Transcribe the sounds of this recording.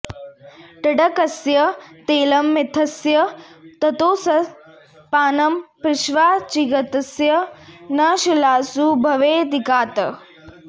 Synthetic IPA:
ʈɐɖɐkɐsjɐt̪eːlɐmːɪt̪ʰɐsjɐt̪ɐt̪oːsɐ | paːnɐmpɾɪʃʋaːt͡ʃiɡɐt̪ɐsjɐnɐʃilaːsubʱɐʋeːd̪ikaːt̪ɐ

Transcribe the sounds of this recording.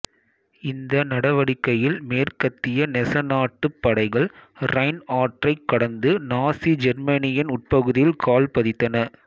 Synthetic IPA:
ɪnd̪ɐnɐɽɐʋɐɽɪkːɐjɪlmeːrkɐt̪ːɪjɐnɛsɐnaːʈːɯpːɐɽɐɪɣɐɭɾɐɪnaːʈrɐɪkːɐɽɐnd̪ɯnaːsid͡ʒɛɾmɐnɪjɐnʊʈ̚pɐɣɯðɪjɪlkʰaːlpɐðɪt̪ːɐnɐ

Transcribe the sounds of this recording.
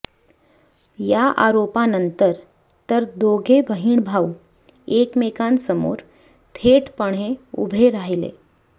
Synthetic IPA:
jaʔa̰ɾopanənt̪əɾ | t̪əɾd̪oɡʱebʱəɦiːɳbʱau | ekmekansəmo̰ɾ | t̪ʰeʈpəɳ̤̃eṵbʱeɾaɦilḛ

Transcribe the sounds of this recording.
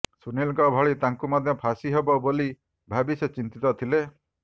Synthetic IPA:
sunilkɔbʱɔɭit̪aŋkumɔd̪ʱjɔpʰasiɦebɔboli | bʱabiset͡ʃint̪it̪ɔt̪ʰile

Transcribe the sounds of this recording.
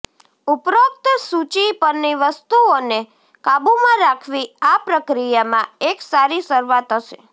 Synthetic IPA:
upɾok̚t̪sut͡ʃipəɾniʋəst̪uone | kabumãɾakʰʋiapɾəkɾijamãeksaɾisəɾʋat̪əʃe

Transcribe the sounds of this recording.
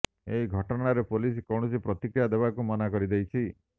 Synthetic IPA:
eɦiɡʱɔʈɔɽ̃aɾepolis̬kɔwɽ̃ɔsipɾɔt̪ikɾijad̪ebakumɔnakɔɾid̪ejt͡ʃʰi

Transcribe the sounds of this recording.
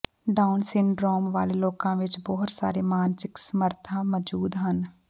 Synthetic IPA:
ɖaːʊnsɪ̃ɳɖɾoːmʋa̰ːleloːkãʋɪt͡ʃbɔːʊt̪sa̰ːɾemaːnsɪksəməɾt̪ʰãməd͡ʒuːd̪ɦən

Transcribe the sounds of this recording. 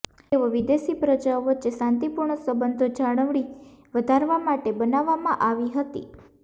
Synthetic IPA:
eʋoʋid̪esipɾəd͡ʒaoʋətːʃesãnt̪ipuɾɳəsəbənd̪ʱod͡ʒaɽ̃əʋɽ̃iʋəd̪ʱaɾʋamaʈebənaʋːamãʔaʋiɦət̪ḭ

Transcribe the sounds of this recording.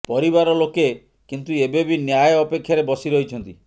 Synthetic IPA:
pɔɾibaɾɔloke | kint̪uebebinjajɔɔpekʰːjaɾebɔsiɾɔɦit͡ʃʰɔnt̪i

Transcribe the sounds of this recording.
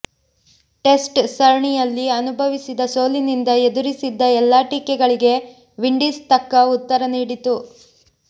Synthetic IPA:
ʈe̞sʈsɐɾɳijɐlːiɐnubʱɐʋisid̪ɐso̞ːlinind̪ɐed̪uɾisid̪ːɐɛlːaːʈiːkɛɡɐɭiɡe̞ | ʋiɳɖiːst̪ɐkːɐut̪ːɐɾɐniːɽit̪u

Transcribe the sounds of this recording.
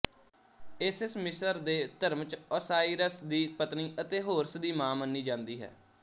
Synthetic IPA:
esɪsmɪsəɾd̪eːt̪əɾmt͡ʃɔːsaːiːɾəsd̪iːpət̪niːʔət̪eːɦoːɾsd̪iːmãːmənːiːd͡ʒãːnd̪iːɦɛ̰ː

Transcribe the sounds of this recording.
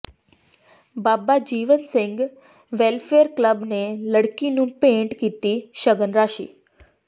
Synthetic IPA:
baːbad͡ʑiːʋənsɪ̃ŋɡ | ʋelfeəɾkləbneləɽkinũpẽɳʈkit̪iʃəɡənɾaːʃḭː

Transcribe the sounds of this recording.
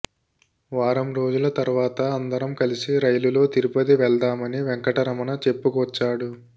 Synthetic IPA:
ʋaːɾɐmɾo̞ːd͡ʒulɐt̪ɐɾuʋaːt̪ɐːnd̪ɐɾɐmkɐlisiɾɐjlulo̞ːt̪iɾupɐt̪iʋɛɭd̪aːmɐniʋɛŋkɐʈɐɾɐmɐnɐt͡ʃe̞pːukʋɐt͡ʃːaːɽu

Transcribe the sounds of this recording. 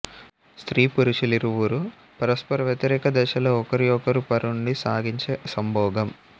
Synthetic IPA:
st̪ɾiːpuɾuʃuliɾuʋuɾu | pɐɾɐspɐɾɐʋjɐt̪iɾɛːkɐd̪ɛːʃɐloːɔkɐɾiɔkɐɾupɐɾuɳɖisaːɡiɲt͡ʃesɐmbʱɔːɡɐm

